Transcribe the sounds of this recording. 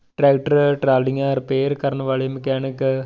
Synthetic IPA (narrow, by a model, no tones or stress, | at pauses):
ʈɾeːk̚ʈɐɾʈɾaːllɪŋaːɾpeːɾkɐɾɐɳɐʋaːɭɐjɐmkaːnɯkːɯ